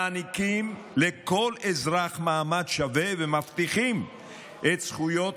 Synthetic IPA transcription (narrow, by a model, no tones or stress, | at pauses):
anikim | leko̞lezʁaχmaːmad̪ʃavevemaft̪iχim | ʔet̪sχujo̞t